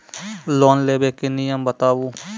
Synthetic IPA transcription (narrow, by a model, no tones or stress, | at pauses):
loːnleːbeːkɪnijəmbət̪aːʋuː